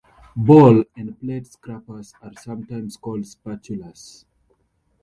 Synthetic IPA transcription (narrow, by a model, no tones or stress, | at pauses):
bɔlɛ̃ndpletskɹapəsaɹsãmtãɪ̃mskɔldspat͡ʃulas